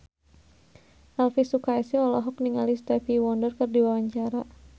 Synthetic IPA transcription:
ʔalfisukajsiɔlɔɦɔkniŋalist̪ɛfiwɔndərkɨrdiwawaɲt͡ʃaɾa

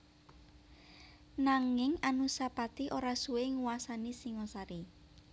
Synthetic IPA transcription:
naŋɪŋanusapat̪iʔoɾasuweŋuwasanisiŋɔsaɾi

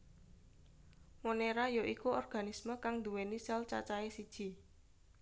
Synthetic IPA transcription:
moneɾajoʔikuɔrɡ̥a̤nisməkaŋd̪uwenisɛlt͡ʃa̰t͡ʃaesid̥ʒ̥i̤

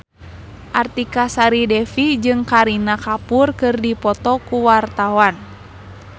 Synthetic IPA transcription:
ʔart̪ikasaɾidɛfid͡ʒɨŋkaɾinakapurkɨrdipɔt̪ɔkuwart̪awan

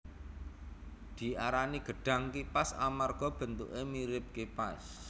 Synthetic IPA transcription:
d̪̥i̤aɾaniɡ̥ə̤ɖ̥a̤ŋkipasa̰marɡ̥ɔ̤b̥ə̤nt̪ṵʔemiɾɪb̚kepas

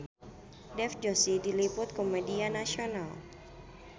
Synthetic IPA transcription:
dɛfd͡ʒosidilipʊt̪̚komedianasional

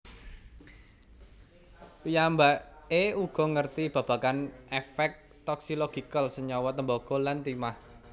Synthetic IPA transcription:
jambaeuɡ̥ɔ̤ŋərt̪ib̥ä̤b̥a̤kanefɛk̚ | t̪ɔksilɔɡ̥ikəlsəɲɔwɔt̪əmbɔɡ̥ɔ̤lant̪imah

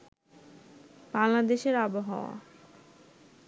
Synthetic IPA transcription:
baŋlad̪eʃeɾaboɦaoa̰

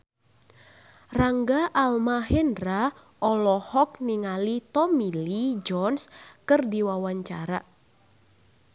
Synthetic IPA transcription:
raŋɡaʔalmaɦɛndɾa | ɔlɔhɔk̚niŋalit̪ɔmilid͡ʒɔnskɨrdiwawaɲt͡ʃa̰ɾa

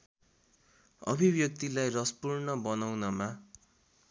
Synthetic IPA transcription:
ʌ̰bʱibjʌk̚t̪ilajrʌspurnʌbʌnawnʌma

